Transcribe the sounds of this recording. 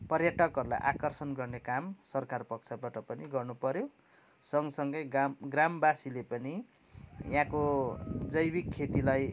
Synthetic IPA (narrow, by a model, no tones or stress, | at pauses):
pʌrjʌʈʌkɦʌɾula̰jʔakʌrsʌnɡʌrnekamsʌrkarpʌkt͡sʰabaʈʌpʌniɡʌrnupʌɾjo | sʌŋsʌŋɡʌjɡamɡrambasilepʌni | jãkod͡zʌjbikʰːet̪ilaj